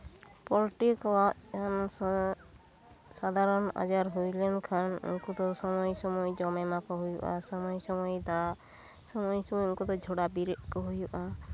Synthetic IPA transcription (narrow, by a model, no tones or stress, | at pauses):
pɔɾʈikɔaʔʰan | sad̪ʱaɾɔna̰d͡ʒaɾɦujlɛnkʰanṵŋkut̪ɔsɔmɔjsɔmɔjd͡ʒɔmɛmakɔɦujṵʔa̰sɔmɔjsɔmɔjd̪a | sɔmɔjsɔmɔjuŋkɔt̪ɔd͡ʒʱɔɽabiɾiʔkɔɦujuʔa